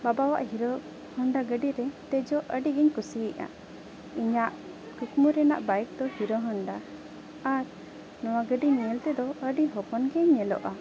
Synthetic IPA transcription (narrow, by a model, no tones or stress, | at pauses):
babawa̰ʔɦiɾɔ | hɔɳɖaɡəɖiɾɛt̪ɛd͡ʒɔʔəɖiɡɛɲkusiɛʔa̰ | iɲaʔ | kukmuɾɛna̰ʔbajk̚d̪ɔhiɾɔɦɔɳɖa | aɾ | nɔwaɡəɖinɛlt̪ɛd̪ɔəɖiɦɔpɔnɡɛɲːɛlɔ̰ʔa